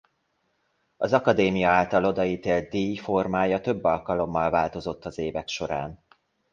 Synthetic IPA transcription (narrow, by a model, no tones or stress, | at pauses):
ɒzɒkɒd̪eːmijɒaːlt̪ɒlo̞d̪ɒiːt̪eːlt̪̚d̪iːfo̞rmaːjɒt̪ø̞bːɒlkɒlo̞mːɒlvaːlt̪o̞zo̞t̪ːɒzeːvɛkʃo̞ɾa̰ːn